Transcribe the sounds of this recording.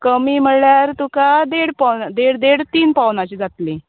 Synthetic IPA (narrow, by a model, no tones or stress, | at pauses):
kəmiːm̤əɭjaɾt̪ũkad̪eɽpawnd̪eɽd̪eɽt̪iːnpawnat͡ɕiːd͡zat̪lĩ